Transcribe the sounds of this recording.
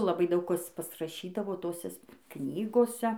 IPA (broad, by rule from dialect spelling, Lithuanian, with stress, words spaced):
lˠɐˈbɐɪ ˈdɐʊk ˈkɐs pɐsrɐˈʃʲiːdɐʋoː ˈtoːsʲɛs ˈknʲiːɡoːsʲɛ